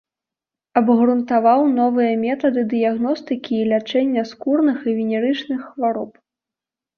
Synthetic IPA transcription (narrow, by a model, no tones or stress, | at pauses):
ɐbɣɾunt̪avawnɔvɨjɐmʲɛt̪ɐd̪ɨd̪ɨjaɣnɔst̪ɨkʲiːlʲat͡ʂɛnʲːɐskurnɨxivʲinʲɛɾɨt͡ʂnɨxːvaɾɔp